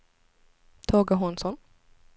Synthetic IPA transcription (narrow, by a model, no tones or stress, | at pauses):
t̪ʰɑːɡaɦʊnsɔm